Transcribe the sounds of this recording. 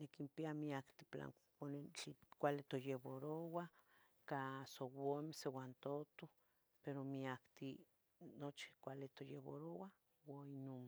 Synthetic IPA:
nekimpiamiakt̪ipla̰ŋ | onet͡ɬikʷalit̪ojeβoɾowa | kasowomesewant̪ot̪o | peɾomiakt̪i | not͡ʃi̥kʷalit̪ojeβo̰ɾowa | wainom

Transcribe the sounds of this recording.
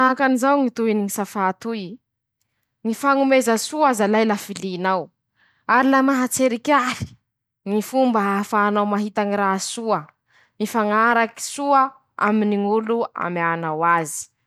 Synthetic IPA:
akanizawŋit̪uiniŋisafat̪ui | ŋifaŋumezəsuazalajlafiliːnaw | aɾilamaɦat͡seɾikʲaɾi̥ | ŋifumbəɦafaːnawmaɦit̪aŋiɾasuə | mifaŋaɾaki̥suə | a̰miniŋulua̰manawazi̥

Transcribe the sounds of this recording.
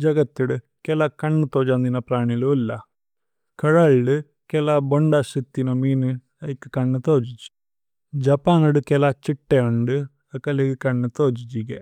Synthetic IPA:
d͡ʒɐɡɐt̪ːuɽɨ | kelakɐɳːɨt̪oːd͡ʑand̪inːɐpraːɳiloːlːɐ | kɐɻaɭɖɨ | kelaboɳɖasit̪ːinomiːnɨ | ɐikːɨ̥kɐɳːɨt̪oːd͡ʑit͡ʃːu̥ | d͡ʑɐpaːnuɽɨkelat͡ɕiʈːeoɳɖɨ | ɐkɐlekɨkɐɳːɨt̪oːd͡ʑit͡ɕːiɡɐ

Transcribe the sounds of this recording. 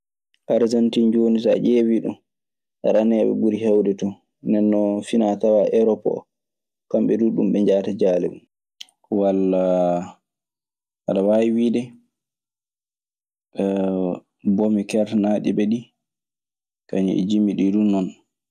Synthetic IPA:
ʔaɾzantind͡ʒonisaʔewiɗṵm | ʔaɾanɛɓɛ̰buɾihɛwdɛtɔ | nɛnːɔfinatawaʔɛɾɔpɔ̰ | kamɓɛduɗumɓɛɲd͡ʒaːtad͡ʒaːlɛɓum | walːa | ha̰ɗawajiwiːdɛ | bomikɛɾtanaɗibɛɗi | kaɲḭɛ̰d͡ʒimiɗidunːɔn

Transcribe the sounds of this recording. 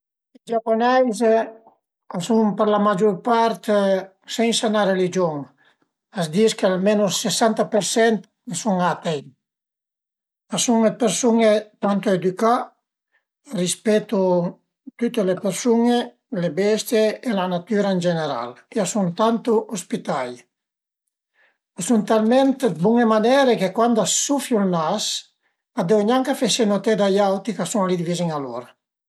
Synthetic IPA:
id͡ʒapːonɛjz | asumpeɾlamad͡ʒuɾpaɾt̪ | sɛnsanaɾelid͡ʒoŋ | asd̪iskealmenusesant̪apeɾsɛnt̪ | nesuŋat̪ej | asuŋepeɾsuŋet̪ant̪ued̪yka | rispɛt̪ːu | t̪ut̪ːelepeɾsuŋe | lebɛst̪jeːlanat̪yːɾaend͡ʒeneɾa̰lkiasuŋt̪ant̪uʔospit̪aj | suŋt̪almɛnt̪ebuŋemanɛːɾekekwand̪asufjulnas | ad̪ewɲaŋkafesenot̪ed̪ajawt̪ikasuŋalid̪iviziŋalo̰ɾa

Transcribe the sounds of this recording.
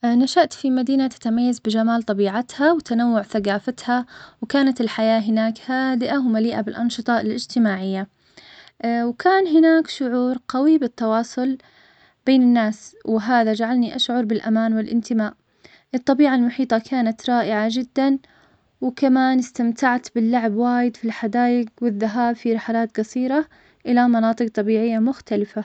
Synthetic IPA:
naʃaʔt̪fimad̪iːnat̪ḁt̪amajːazbɪd͡ʒamaːlt̪ˤɑbiːʕat̪hawt̪anawːʊʕθaɡaːfat̪hawkaːnat̪ɪlħajaːɦɪnaːkhaːd̪ɪʔawmaliːʔabɪlʔɑnʃɨt̪ˤɑɪlʔɪd͡ʒt̪ɪmaːʕɪjːa | wkʰaːnɦɪnaːkʃʊʕuːɾɡawibɪt̪ːɑwɑːsˤʊl | b̥eːnɪnːaːswɪɦaːðad͡ʒaʕalniʔaʃʕʊɾˤbɪlʔamaːnwɪlʔɪnt̪ɪmaːʔ | ʔɨt̪ˤːɑbiːʕalmʊħiːt̪ˤɑkʰaːnat̪ɾˤɑːʔɪʕad͡ʒɪd̪ːan | wɪkamaːnɪst̪amt̪aʕt̪bɪlːʊʕbwaːjɪd̪filħad̪aːjɪɡwɪðːaɦaːbfiɾɪħalaːt̪ɡɑsiːɾa | ʔɪlamɑnɑːt̪ˤɨq̚t̪ˤːɑbiːʕɪjːamʊxt̪alɪfa

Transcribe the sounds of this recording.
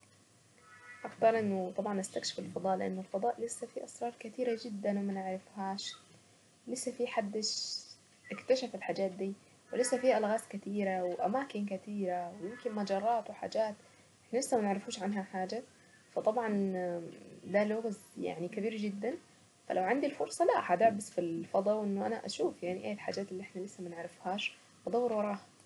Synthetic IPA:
ʔɑxt̪ɑɾˤʔɪnːʊt̪ˤɑbʕɑnʔast̪akʃɪ̥fɪlfɑd̪ˤɑːʔlɪʔa̰nːʊlfɑd̪ˤɑːʔlɪsːafiʔɑsɾˤɑːɾˤkɪt̪iːɾad͡ʒɪd̪ːanwɪmanɪʕɾɪfhaːʃ | lɪsːafiħad̪ːɪʃ | ʔɪkt̪aʃafɪlħad͡ʒaːt̪̚d̪iː | wɪlɪsːafiːʔalɣaːskɪt̪iːɾawɪʔamaːkɪnkat̪iːɾawjɪmkɪnmad͡ʒɑrˤːɑːt̪wɪħa̰ːd͡ʒaːt̪ | ʔʔɪħnalɪsːamanɪʕɾɪfuːʃʕanɦaħaːd͡ʒa | fɑt̪ˤɑbʕɑn | d̪alʊɣzja̰ʕnikabiːɾd͡ʒɪd̪ːan | fa̰lʔawʕand̪ilfʊɾsˤɑlaʔħad̪aʕbasfilfɑd̪ˤɑwʔɪnːʊʔanaʔa̰ʃuːfjaʕniʔaːlħa̰ːd͡ʒaːt̪ɪlːiʔɪħnalɪsːamanʕɾɪfhaːʃ | ʔɑd̪ˤɑwːɪɾwɑɾˤɑːha

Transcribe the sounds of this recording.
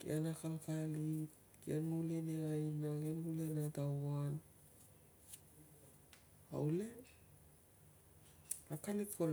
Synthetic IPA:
kḭanakalkalit | kianmuleneajnaɡemulenatawan | a̰wle | akalitkol

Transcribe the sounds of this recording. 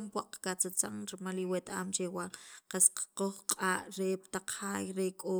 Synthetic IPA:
mpwaʔqḁkat͡sat͡saŋɾimaliwet̪aːmt͡ʃewaŋqasqqoχqʼaːʔɾept̪aq͡χhaːjɾekʼoː

